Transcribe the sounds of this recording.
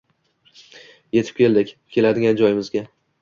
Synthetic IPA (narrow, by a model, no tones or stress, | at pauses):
je̞t̪ʰɪ̥p̚kʲʰe̞ld̪ɪkʲkʲʰe̞lad̪ɪɡʲand͡ʒɒjɪmɪzɡʲa